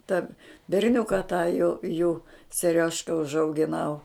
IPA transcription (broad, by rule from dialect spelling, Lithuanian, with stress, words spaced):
tɐ bʲɛrʲˈnʲʊkɐ tɑː juː juː sʲɛˈrʲoːʃkɐ ʊʒɐʊɡʲɪˈnɐʊ